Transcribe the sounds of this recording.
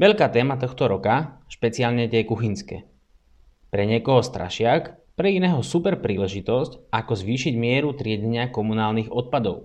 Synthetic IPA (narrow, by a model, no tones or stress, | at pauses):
ʋɛʎkaːt̪ɛːmat̪ɔxt̪ɔɾɔkaʃpɛt͡siaːlɲɛɟɪɛkuxinskɛ̰ | pɾɛɲɪɛkɔɦɔst̪ɾa̰ʃɪak | pɾɛinɛːɦɔsupɛɾpɾiːlɛʒit̪ɔscakɔzʋiːʃiɟmɪɛɾut̪ɾɪɛɟɛɲɪakɔmunaːlniɣɔt̪̚pad̪ɔ̰ʊ